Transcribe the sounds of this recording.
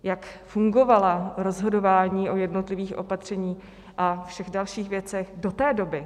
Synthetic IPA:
jakfuŋɡo̞valaɾo̞zɦo̞do̞vaːɲiːʔo̞jɛdno̞t̪lɪviːxʔo̞̰pat̪r̝̥ɛɲiː | ʔafʃɛɣdalʃiːxvjɛt͡sɛxdo̞t̪ɛːdo̞bɪ

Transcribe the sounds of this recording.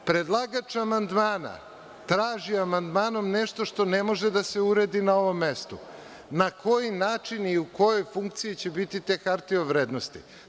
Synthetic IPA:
pɾed̪lˠaɡat͡ʃamand̪maːna̰ | t̪ɾaːʒiamand̪maːno̞mneʃt̪o̞ʃt̪o̞nemo̞ʒed̪aseuɾed̪inao̞ʋo̞mːest̪ṵ | nakʰo̞jinaːt͡ʃiniuko̞jojfuŋk̚t̪sijet͡ɕe̞bit̪it̪e̞ːkaɾt̪ioʋɾeːd̪nost̪ḭ

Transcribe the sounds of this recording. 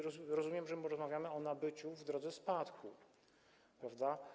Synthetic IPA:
ɾɔɾɔzumʲjɛmʐɛmɾɔzmavʲjamɘɔnabɘt͡ɕuvd̪ɾɔd̪zɛspat̪kʰu | pɾavd̪a

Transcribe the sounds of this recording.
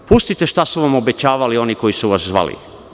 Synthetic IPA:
pust̪it̪e̞ʃt̪asuʋamo̞be̞t͡ɕaːʋalio̞niko̞jisuʋaszʋa̰lḭ

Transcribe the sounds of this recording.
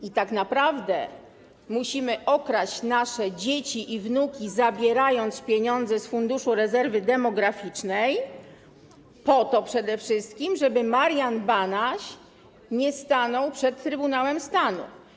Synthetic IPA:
it̪aknapɾavd̪ɛ̰ | muɕimɘʔɔkɾat͡ɕnaʂɛd͡ʑet͡ɕiʔivnukʲizabʲjɛɾajɔnt̪spʲjeɲɔnd̪zɛsfund̪uʂuɾɛzɛɾvɘd̪ɛmɔɡɾafʲit͡ʂnɛj | pɔt̪ɔpʂɛd̪ɛfʂɘst̪kʲimʐɛbɘmaɾjanbanaɕ | ɲɛst̪anɔwpʂɛt̪ːɾɘbunawɛmst̪anṵ

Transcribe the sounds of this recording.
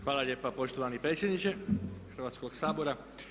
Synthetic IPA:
xʋaːlaʎeːpapo̞ʃt̪oʋanipɾeːt̪sjed̪nit͡ʃexərʋaːt̪sko̞ɡsaːbo̞ɾa

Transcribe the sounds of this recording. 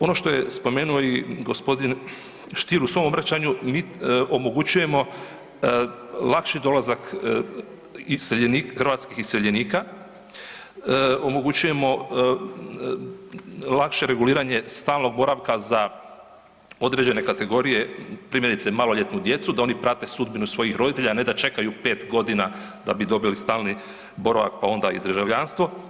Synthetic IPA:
o̞no̞ʃt̪o̞je̞spo̞me̞ːnuo̞iɡospo̞d̪in | ʃt̪iːɾusʋo̞mobɾat͡ɕaɲumiːʔomo̞ɡut͡ɕuje̞mo̞ | lˠakʃid̪o̞lazak | iseʎeniːkxrɾʋat̪skixiseʎeniːka | o̞mo̞ɡut͡ɕuje̞mo̞ | lakʃe̞ɾe̞ɡuliːɾaɲe̞st̪aːlˠno̞ɡ̚bo̞ɾaʋkaza | od̪ɾe̞d͡ʑe̞ne̞kat̪e̞ɡo̞ɾije̞pɾimjeɾit̪semaːlo̞ʎe̞t̪nud̪je̞t̪sud̪ao̞nipɾat̪e̞sud̪binusʋo̞jixɾo̞d̪it̪e̞ʎane̞d̪at͡ʃe̞kajupe̞ːt̪ɡo̞d̪ina | d̪abid̪o̞bilist̪aːlˠni | bo̞ɾaʋa̰k̚pao̞nd̪aḭd̪ɾ̩ʒaʋʎanst̪ʋo̞

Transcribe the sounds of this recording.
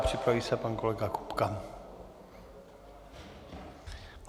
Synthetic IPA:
pr̥ɪpɾaviːsɛpankolɛɡakupka

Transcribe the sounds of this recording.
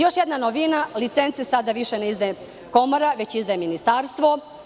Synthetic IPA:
jo̞ʃjed̪nanoʋinalit̪sent̪sesad̪aʋiʃeneizd̪aje | ko̞moɾaʋet͡ɕizd̪aeminist̪aːɾst̪ʋo̞

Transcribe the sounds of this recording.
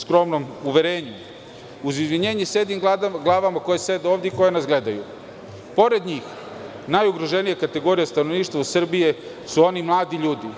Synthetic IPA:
skɾo̞mnomuʋeɾeːɲu | uzizʋiɲeːɲesed̪imɡlˠaːʋamakojesed̪eovd̪eiko̞jenazɡle̞d̪aju | po̞ɾe̞d̪ɲiːx | najuɡɾoʒenijekat̪e̞ɡo̞ɾijest̪anoʋniːʃt̪vʋausr̩bije̞ | suo̞nimlˠaːd̪iʎuːd̪i

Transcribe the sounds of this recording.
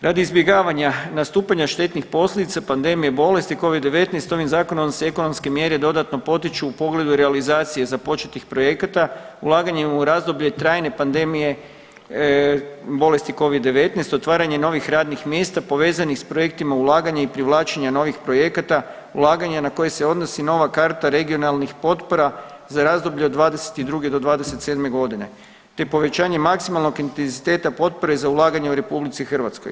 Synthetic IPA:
ɾʔad̪iizbje̞ɡaːʋaɲanast̪uːpaɲaʃt̪e̞t̪nixpo̞slʎʲe̞d̪it̪sapand̪e̞mijebo̞le̞st̪iko̞ʋid̪d̪ːe̞ʋe̞t̪nejst̪o̞ʋimzaːko̞noseeko̞no̞mske̞mje̞ɾed̪o̞d̪at̪no̞po̞t̪it͡ʃuːpo̞ɡle̞d̪uɾealizaːt̪sije̞zapo̞t͡ʃet̪ixpɾo̞je̞kat̪aulˠaːɡaɲemuɾazd̪o̞bʎet̪ɾaːjne̞pand̪e̞mije̞ | bo̞le̞st̪iko̞ʋid̪dːe̞ʋe̞t̪nejst̪o̞t̪ʋaːɾaɲe̞no̞ʋixɾaːd̪nixmje̞st̪apo̞ʋe̞ːzanixspɾo̞je̞k̚t̪imaulˠaːɡaɲaipɾiʋlˠaːt͡ʃeɲano̞ʋixpɾo̞je̞kat̪a | ulˠaːɡaɲanako̞jese̞o̞d̪nosino̞ʋakaɾt̪aɾe̞ɡio̞nalˠnixpo̞t̪po̞ɾa | zaɾazd̪obʎed̪ʋaːd̪ese̥t̪id̪ɾuɡed̪o̞d̪ʋaːd̪ese̞t̪se̞d̪me̞ɡo̞d̪ine̞̰ | t̪epo̞ʋe̞t͡ɕaːɲe̞maksimalˠno̞ɡint̪enzit̪e̞ːt̪apo̞t̪̚po̞ɾe̞zaulˠaːɡaɲeuɾe̞publit̪sixr̩ʋat̪sko̰j

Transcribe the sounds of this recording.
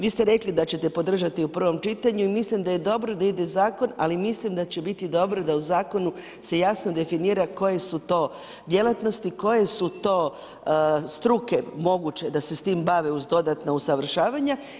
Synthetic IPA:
ʋiːst̪e̞ɾe̞klid̪at͡ɕe̞t̪e̞po̞d̪r̩ʒat̪iupr̩ʋo̞mt͡ʃit̪aɲuimislimd̪aje̞d̪o̞bɾod̪aid̪e̞zaːko̞na̰limislimd̪at͡ɕe̞bit̪id̪o̞bɾod̪auzaːko̞nu | se̞jasno̞d̪e̞finiːɾako̞je̞sut̪o̞ː | d̪je̞lat̪no̞st̪iko̞je̞sut̪o̞ː | st̪ɾuke̞mo̞ɡut͡ɕe̞d̪ase̞st̪imbaʋeuzd̪o̞d̪at̪nausaʋr̩ʃaːʋaɲa

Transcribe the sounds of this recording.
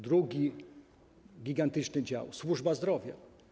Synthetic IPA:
d̪ɾuɡʲi | ɡʲiɡant̪ɘt͡ʂnɘd͡ʑa̰wswuʐbazd̪ɾɔvʲja̰

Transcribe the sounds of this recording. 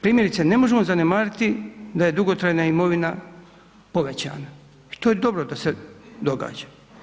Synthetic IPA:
pɾiːmje̞ɾit̪sene̞mo̞ʒemo̞zanemaːɾit̪id̪aje̞d̪uɡo̞t̪ɾajnaimo̞ʋina | po̞ʋe̞t͡ɕa̰ːna | i̥t̪o̞ːjed̪o̞bɾod̪ase̞d̪o̞ɡa̰ːd͡ʑḁ

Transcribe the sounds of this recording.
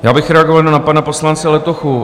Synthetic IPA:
jaːbɪxɾɛaɡovalnanapanaposlant͡sɛlɛt̪oxu

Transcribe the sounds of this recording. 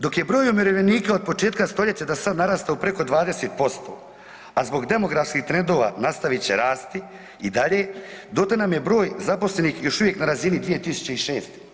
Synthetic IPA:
d̪o̞kje̞bɾo̞ːjomiɾoʋeniːkao̞d̪̚po̞t͡ʃeːt̪kast̪o̞ʎet͡ɕed̪asad̪naɾaːst̪aupɾe̞ko̞d̪ʋaːd̪eseːt̪̚po̞st̪o̞̰ː | azbo̞ɡd̪e̞mo̞ɡɾafskixt̪ɾe̞nd̪o̞ːʋa̰ːnast̪aʋit͡ɕe̞ɾaːst̪i | id̪aʎe̞ːd̪ot̪enamje̞bɾo̞ːjzapo̞sle̞nixjo̞ʃuʋje̞knaɾazinid̪ʋije̞t̪isu̥t͡ɕe̞iʃe̞ːst̪e

